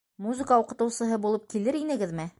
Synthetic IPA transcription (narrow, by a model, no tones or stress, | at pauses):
muzɨ̆kauqɤ̆t̪ɤ̆wsɤ̆ɦɤbulˠɤp̚kilɘɾinɘ̆ɡɘðmɘ